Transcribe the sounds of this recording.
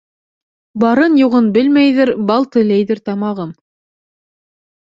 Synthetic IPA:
bɑɾɤnjuʁɤnbɘlmæjðɘɾbɑlˠt̪ɘ̆læjðɘɾt̪ɑmɑʁɤm

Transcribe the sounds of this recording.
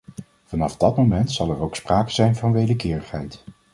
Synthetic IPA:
v̥ɑnɑfdɑtmomɛntsɑlˠɛɹowkspraːkəzɛjnvɑnʋejdəkɪːɹəχɦɛjt

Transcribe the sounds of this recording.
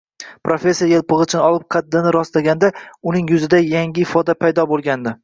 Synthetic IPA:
pɾofʲe̞sːijajelˠpɨʁɨt͡ʃʰɪnɒlˠɪp̚qʰɑd̪ːɪnɪɾɒst̪aɡʲand̪aʊnɪŋjʊzɪd̪ajaŋɡʲɪɪfɒd̪apʰajd̪ɒbolˠɡʲand̪ɪ

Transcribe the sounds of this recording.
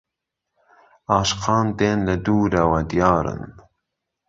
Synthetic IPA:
ɑːʃqʰɑːnd̪eːnlɐd̪uːɾɐwɐd̪ijɑːɾɨ̰n

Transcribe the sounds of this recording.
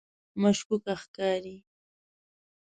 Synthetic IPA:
maʃkʊkɑχkaːɾi

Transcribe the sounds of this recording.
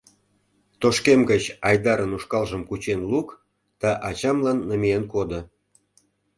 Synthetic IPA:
t̪oʃkemɡət͡ɕɑjd̪ɑɾənuʃkɑlʒə̆mkut͡ɕenluk | d̪̥ɑʔɑt͡ɕɑmlɑnːə̆mʲienkod̪ŏ

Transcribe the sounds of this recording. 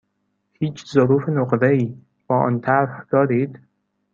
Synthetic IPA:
hiːt͡ʃʰzoɾuːfenoqɾeiː | b̥ɒːʔɒ̰ːnt̪ʰæɾhd̪̥ɒːɾiːd̪

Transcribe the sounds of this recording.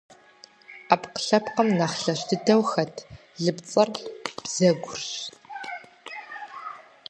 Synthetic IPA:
apqə̥ɬɐpqɐmnɐχɬɐɕtʰɨdʰɐwxɐtʰ | ɮɨpt͡sʼɐrb̥z̥ɐɡʷʊrɕ

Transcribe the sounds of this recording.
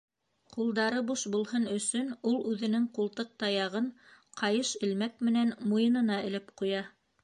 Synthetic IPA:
qulˠd̪ɑɾɤbuʃbulˠhɤnɵ̆sɵnulˠʉðɘ̆nɘŋqulˠt̪ɤq̚t̪ɑjɑʁɤɴqʰɑjɤʃɘ̆lmæk̚mɘ̆nænmujɤ̆nɤ̆nɑɘ̆lɘpqujɑ

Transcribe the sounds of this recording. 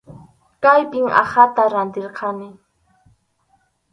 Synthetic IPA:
kajpɪŋa̰χat̪aɾant̪ɪɾqʰɑnɪ

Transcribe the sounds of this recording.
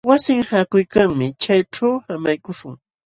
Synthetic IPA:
wasɪŋhaːkʊjkaŋmɪt͡ʃajʈ͡ʂawhamajkʊʃʊŋ

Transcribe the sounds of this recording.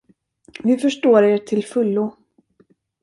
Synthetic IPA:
vɪfœʂʈoːɾeːʈʰɪlfɵlːʊ

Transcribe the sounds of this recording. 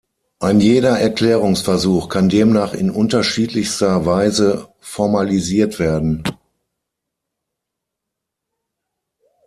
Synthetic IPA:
ʔaɪnjeːɾɐʔɛɐkl̥ɛːʁ̞ʊŋsfɛɐzuːxkʰandeːmnaːχɪ̰nʔʊntɐʃiːtlɪçstɐvaɪzə | fɔɐmaliziːɐtv̥eːɐdn̩

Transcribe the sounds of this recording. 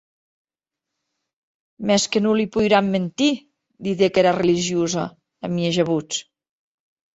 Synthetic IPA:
mɛskənulipujɾamːent̪i | d̪iðekeɾareliʒiuza̰ː | mieʒəβut͡s

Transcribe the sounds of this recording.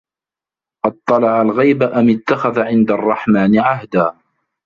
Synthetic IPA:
ʔɑd̚t̪ˤːɑlɑʕalɣajbaʔamɪt̪ːaxaðaʕɪnd̪arˤːɑħmaːnɪʕaɦd̪aː

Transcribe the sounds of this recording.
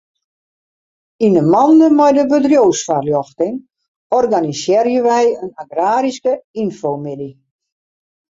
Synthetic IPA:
inəmɔndəmɛjdəbədrjowsfarljɔxtɪŋ | ɔrɡanisjɪːɾjəʋɛjənaɡraːɾiskəinfowmɪdi

